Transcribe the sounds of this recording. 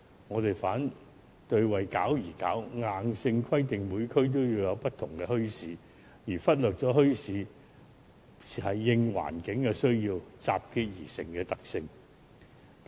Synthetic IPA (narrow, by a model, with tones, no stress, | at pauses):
ŋɔː˨˧t̪e˨jfaː˨˥n | t̪ɵ˧ɥwɐ˨˩jkaː˨˥wjiː˨˩ka̰ː˨˥wŋaː˨˧nsɪ˧ŋkʰɐ˥jt̪ɪ˨ŋmuː˨˧jkʰɵ˥ɥt̪̬o˥wjiː˧wjɐ˨˧wpɐ˥t̚t̪ʰʊ˨˩ŋkɛ˧hɵ˥ɥsiː˨˥ | jiː˨˩fɐ˥t̚lœː˨k̚t͡sɔː˨˥ɦɵ˥ɥsiː˨˧˥ | siː˨hɐ˨˩jːɪ˧ŋwa̰ː˨˩nkɪ˨˥ŋkɛ˧sɵ˥ɥjiː˧wt͡saː˨p̚kiː˧t̚jiː˨˩sɪ̰˨˩ŋkɛː˧t̪ɐ˨k̚sɪ˧ŋ